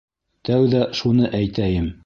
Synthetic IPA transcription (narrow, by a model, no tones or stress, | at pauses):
t̪æwðæʃunɤʔæjt̪æjɘm